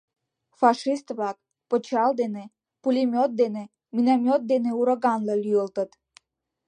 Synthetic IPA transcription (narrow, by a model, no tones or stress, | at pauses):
fɑʃist̪βlɑk̚ | pə̆t͡ɕɑld̪ene | pulʲimʲjot̪̚d̪ene | minamʲjot̪̚d̪eneuɾəɣɑnləlʲyəlt̪ə̆t̪